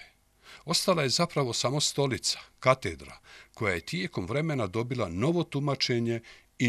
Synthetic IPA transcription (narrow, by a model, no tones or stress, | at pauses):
o̞st̪alaje̞zapɾaʋo̞samo̞st̪o̞lit̪sḁkat̪ed̪ɾa̰ko̞jaje̞t̪jeːko̞mʋɾe̞me̞nad̪o̞bilˠano̞ʋo̞t̪umat͡ʃe̞ɲe̞ | i